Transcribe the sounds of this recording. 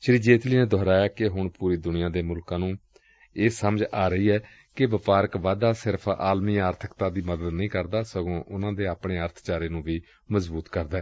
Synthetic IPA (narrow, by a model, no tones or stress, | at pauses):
ʃɪɾiːd͡ʒeːt̪ʰliːneːd̪ʱɔːɾaːjaːkɪɦʊɳpuːɾiːd̪ʊnɪjãːd̪eːmʊlkãːnũː | eːsəməd͡ʒaːɾəiːɛː | kɪʋəpaːɾəkʋaːd̪aːsɪɾpʰa̰ːlmiːaːɾt̪ʰə̥kt̪ãːd̪iːməd̪əd̪nəĩːkəɾd̪aːsəɡõːʔʊnãːd̪eːaːpɳeːəɾt̪ʰt͡ʃaːɾeːnũːʋiː | məzbuːt̪kəɾd̪aː